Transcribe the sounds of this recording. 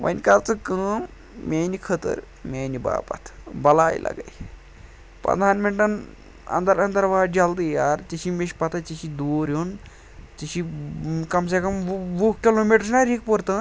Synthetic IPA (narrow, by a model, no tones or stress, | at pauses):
ʋɐ̰nʲkalt͡sɨkə | mʲeːnikʰət̪ə̰ɾ | mʲeːniba̰ːpɐ̰t̪ʰbɐlaːj̰lʔa̰ɡa̰j | pɐ̰d̪ʱaːnmenʈɐn | ɐ̰nd̪ɐɾɐnd̪ɐɾʋaːd͡ʒɐld̪ijaːɾt͡ʃiʃimʲeʃpɐt̪ʰat͡ʃiʃid̪uːɾon | t͡ʃiʃikɐms̬ekɐmʋuk̚kʲilomiʈɾsnaɾik̚pəɾt̪ɨ